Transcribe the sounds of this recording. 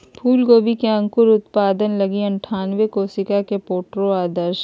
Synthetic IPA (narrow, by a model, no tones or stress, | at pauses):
pʰuːlɡoːbikeɐ̃ŋkʊɾʊt̪paːd̪ənlɐɡiɐ̃ɳʈʰaːnʋekoːsɪkakepoːʈɾoaːd̪əɾʃ